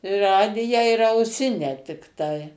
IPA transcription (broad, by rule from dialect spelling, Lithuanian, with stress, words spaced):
ɪ ˈrɑːdʲɪjæː ɪr ɐʊˈsʲɪnʲæː tʲɪkˈtɐɪ